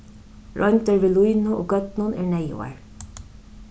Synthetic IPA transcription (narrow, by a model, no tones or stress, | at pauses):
ɹɔnt̪əɹʋeːlujnʊʔo̰ːɡœt̪nʊnḛːɹɳæjʊ̰a̰ɹ